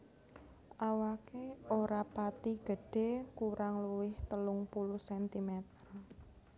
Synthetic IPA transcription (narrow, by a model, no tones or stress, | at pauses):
ʔawakeoɾapat̪iɡ̥ə̤ɖ̥e̤kuɾʔaŋluwɪht̪əlʊŋpulʊhsɛnt̪imet̪ər